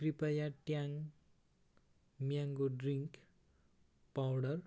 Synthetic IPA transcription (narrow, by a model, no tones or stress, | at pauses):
kripajaʈjaŋ | mjaŋɡoɖriŋk | pawɽʌr